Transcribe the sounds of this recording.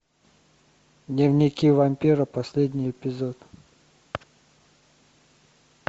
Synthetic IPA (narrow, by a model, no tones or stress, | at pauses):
d̪nʲɪvnʲikʲivɐmʲpʲiɾəpɐsʲlʲed̪ʲnʲijɪpʲɪzot̪